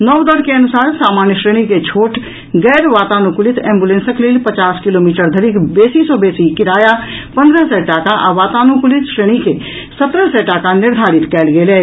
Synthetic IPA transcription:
nɔwd̪əɾkeənusaːɾsaːmanjəʃɾeñiket͡ʃʰoːʈ | ɡɛːɾʋaːt̪anukulit̪ʰɛ̃ːmbulẽnsəklelpət͡ʃaːskilomiʈəɾd̪ʱəɾikbeːsisɔbesikiɾajapə̃nd̪ɾəsɛʈakaʔa̰ʋat̪aːnukulit̪ʃɾeñike | sət̪ɾəɦsɛʈakaniɾd̪ʱaɾit̪kɛːlɡelɛ

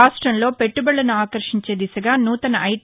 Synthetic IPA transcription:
aːʂʈɾɐmlo̞ːpeʈːubɐɭːɐnuaːkɐɾʂiɲt͡ʃe̞ːd̪isɐɡaːnuːt̪ɐnɐʔɐj

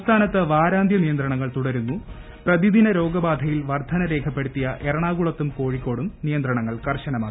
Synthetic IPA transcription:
ɐst̪ʰaːnɐt̪ːɨʋaːɾaːnd̪ʱjɐnijɐnd̪rɐɳɐŋːɐɭt̪uɽɐɾunːu | prɐðid̪inɐɾo̞ːɡɐbaːd̪ʱɐjilʋɐrd̪ʱɐnɐɾe̞ːkʰɐpːe̞ɽut̪ːijɐʔeɾɐɳaːɡuɭɐt̪ːumko̞ːɻikʲːo̞ːɽumnijɐnd̪ɾɐɳɐŋːɐɭkɐrɕɐnɐmaːkːii

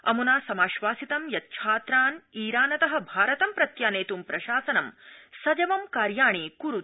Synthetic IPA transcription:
ɐ̰munaːsɐmaːʃʋaːsit̪ɐmjɐt̪̚t͡ʃʰaːt̪ɾaːniːɾaːnɐt̪ɐɦɐ̆bʱaːɾɐt̪ɐmpɾɐt̪jaːneːt̪umpɾɐʃaːsɐnɐmsɐd͡ʒɐʋɐmkaːɾjaːɳiːkuɾut̪̚

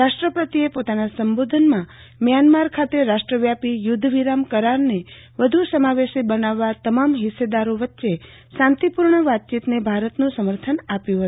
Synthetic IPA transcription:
ɾaʃʈɾəpət̪iepot̪anasəmbod̪ʱənmã | mjanmaɾkʰat̪eɾaʃʈɾəʋjapijʊd̪ʱːʋiɾamkəɾaɾne | ʋəd̪ʱusəmaʋeʃibənaʋːat̪əmamɦised̪aɾoʋətːʃe | sãnt̪ipuɾɳəʋat̪̚t͡ʃit̪nebʱaɾət̪nũsəməɾt̪ʰənapjũɦət̪u

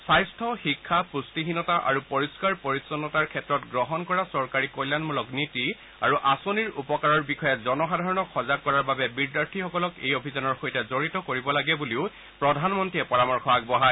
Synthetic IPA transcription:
sajstʰɔxikʰːapustiɦinɔtaʔa̰ɹupoɹiskaɹpoɹisɔnːɔtaɹkʰɛtɹɔtɡɹɔɦɔnkɔɹasɔɹkaɹikojlanmulɔkniti | a̰ɹuʔasoniɹupɔkaɹɔɹbixɔjɛzɔnɔxadʱaɹɔnɔkʰɔzakːɔɹaɹbabɛbiɹdaɹtʰixɔkɔlɔkḛjobʱizanɔɹxojtɛzoɹitɔkoɹibɔlaɡɛbuliʊ | pɹɔdʱanmɔntɹiɛpɔɹamɔɹxʰɔak̚bɔɦaj

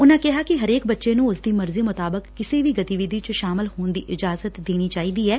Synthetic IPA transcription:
ʊnãːkɪɦaːkɪɦəɾeːk̚bətːʃeːnũːʊsd̪iːməɾziːmʊt̪aːbəkːɪseːʋiːɡət̪iʋɪd̪iːt͡ʃəʃaːmɪlhoːnd̪iːʔɪd͡ʒaːzət̪d̪eːñiːt͡ʃaːiːd̪iːɛː

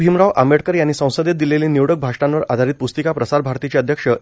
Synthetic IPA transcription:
bʱimɾaʋʔameɽkəɾjanːiːsə̃w̃səd̪jet̪̚d̪ileliːniʋɽək̚bʱaʂʈãnʋəɾʔad̪ʱaɾiːt̪̚pust̪ikapɾəsaɾbʱaɾt̪it͡ɕeəd̪ʱjəkʂə

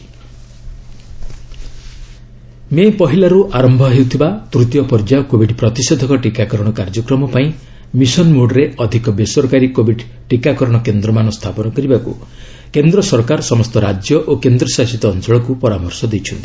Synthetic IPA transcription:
mepɔɦilaɾuʔaɾɔmbʱɔɦewt̪ʰibat̪ɾut̪jɔpɔɾd͡ʒaɔkobʱiɖpɾɔt̪ised̪ʱɔkɔʈikakɔɾɔɽ̃ɔkaɾd͡ʒɔkɾɔmɔpaĩ | misɔnmoɖɾeɔd̪ʱikɔbesɔɾkaɾikobʱiɖ | ʈikakɔɾɔɽ̃ɔkend̪ɾɔmanɔst̪ʰapɔnɔkɔɾibakṵ | kend̪ɾɔsɔɾkaɾsɔmɔst̪ɔɾad͡ʒjɔʔokend̪ɾɔsasit̪ɔːnt͡ʃɔɭɔkupɔɾamɔɾsɔd̪ejt͡ʃʰunt̪i̥

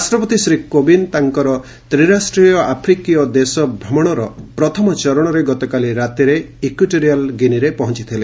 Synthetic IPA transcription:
ɾasʈɾɔpɔt̪isɾikobint̪aŋkɔɾɔ | t̪ɾiɾasʈɾijɔʔapʰɾikijɔd̪esɔbʱɾɔmɔɽ̃ɔɾɔpɾɔt̪ʰɔmɔt͡ʃɔɾɔɽ̃ɔɾeɡɔt̪ɔkaliɾat̪eɾeikiʈoɾialɡiniɾepɔɦɔnt͡ʃit̪ʰile

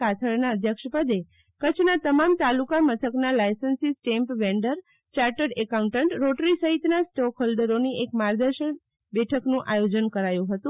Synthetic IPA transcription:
at̪ʰəɭnaəd̪ʱjəkʃəpəd̪e | kət͡ʃʰnat̪əmamt̪alukamət̪ʰəknalajsənsisʈempʋeɳɖəɾ | t͡ʃaɾʈəɖɛkauɳʈəɳʈɾoʈɾisəɦit̪nasʈokʰɦolɖəɾoniekmaɾd̪əɾʃən | bɛʈʰəknũʔajod͡ʒənkəɾajũɦət̪ũ

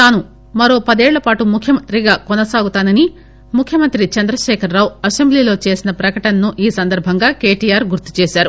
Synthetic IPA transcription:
t̪aːnu | mɐɾo̞ːpɐd̪eːɭːɐpaːʈumukʰjɐmɐnt̪ɾiɡaːkɔnɐsaːɡut̪aːnɐni | mukʰjɐmɐnt̪ɾit͡ʃɐnd̪ɾɐʃɛːkʰɐɾːaːwɐse̞mbliːlo̞ːt͡ʃe̞ːsinɐpɾɐkɐʈɐnɐnuʔiːsɐnd̪ɐɾbʱɐŋɡaːke̞ːʈiːjaːɾɡuɾt̪i̥t͡ʃeːʃaːɾu

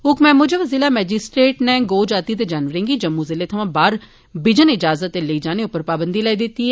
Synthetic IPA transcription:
ʊkmɛ̃ːmʊd͡ʒeʋəziːlaːmɛːd͡ʒɪsʈɾeːʈneːɡoːd͡ʒaːt̪iːd̪eːd͡ʒaːnʋəɾẽːɡiːd͡ʒəmːũːzɪleːt̪ʰəʋãːbaːɾ | bɪd͡ʒənɪd͡ʒaːzət̪ːeləiːd͡ʒaːneːʊpːəɾpaːbənd̪iːlɛːiːd̪ɪt̪ːiːɦɛː

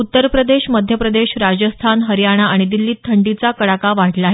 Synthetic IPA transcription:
ut̪ːəɾpɾəd̪eɕməd̪ʱjəpɾəd̪eɕɾad͡ʑəst̪ʰanɦəɾjaɽ̃aaɽ̃id̪ilːiːt̪ʰːəɳɖit͡sakəɽakaʋaʈʰlaːɦe

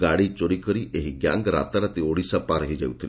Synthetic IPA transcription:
ɡaɽit͡ʃoɽikɔɾiʔeɦiɡja̰ŋɡɾa̰t̪aɾat̪ioɽisapaɾɔɦid͡ʒawt̪ʰili

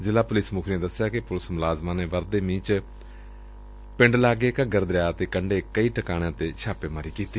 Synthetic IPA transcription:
zɪlaːpʊlɪsmʊkʰɾẽːd̪əsːɪjaːkɪpʊlɪsmʊlaːzmãːneːʋəɾd̪eːmĩːt͡ʃ | pɪɳɖlaːɡeːkəɡəɾd̪ɾjaːt̪eːkəɳɖeːkəiːʈəkaːɽ̃ãːt̪eːt͡ʃʰaːpeːmaːɾiːkiːt̪iː

